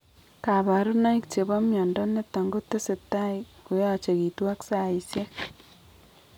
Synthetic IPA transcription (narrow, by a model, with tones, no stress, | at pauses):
ka˨βa˨ɾu˦na˦i˦kt͡ʃe˨βa˦mjɔ˨ndɔ˦ne˦tːa˨ŋɡo˦tːe˦se˨ta˦i˨ku˨ja˨t͡ʃe˨ki˨twa˦ksa˨i˨sje˦